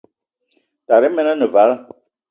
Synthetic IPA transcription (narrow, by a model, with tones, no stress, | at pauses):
ta˨ɾɛ˨˦mɛ˦nã˦nɨ̃˨va˨˦la˦˨